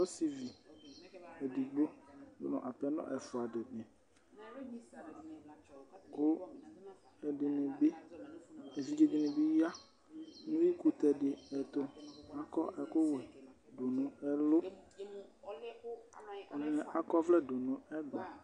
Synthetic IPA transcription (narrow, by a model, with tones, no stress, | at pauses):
ɔ˦si˨vi˨ | e˨di˨ɡ͡bo˦jo̰˦nɔ̰̃˨ʔa˨pɛ˦nɔ̰̃˦ʔɛ˨fʊ˨a˨dɪ˨ne˨ | ko˦ | ɛ˨ɖɪ˨nẽ˨be˦ | e˨vi˨d͡ʒe˨de˨nẽ˨bi˦ja˦ | nũ˦ji˦ku˦t̪ɛ˨ɖɪ˨ɛ˨t̪o˦a˦kɔ˦ʔɛ˨ko˦we˨ | do˨nũ˨ɛ˦lʊ˦˨ | vi˦nɛ̃˨ʔa˨kɔ˦vlɛ˦do˨nʊ̃˨˦ɛ˦ɡ͡ba˨